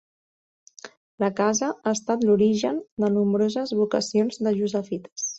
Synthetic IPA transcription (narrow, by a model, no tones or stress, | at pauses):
ləkazəaəst̪at̪luɾiʒənd̪ənumbɾozəzβukəsionzd̪əʒuzəfit̪ə̥s